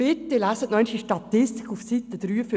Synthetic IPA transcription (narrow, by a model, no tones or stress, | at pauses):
ɪt̪ːɪlæsət̪nœʏnʃiʃtɑt̪ɪst̪i̥kʰufsit̪ːəd̪ɾyːf